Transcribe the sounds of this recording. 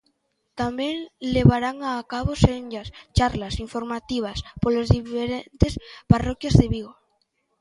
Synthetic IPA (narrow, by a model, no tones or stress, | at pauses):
t̪ambjeŋleβaɾaŋaːkaβosenʎast͡ʃaɾlasiɱfoɾmat̪iβ̞aspolozðifeɾent̪esparokjazðeβiɣ̞o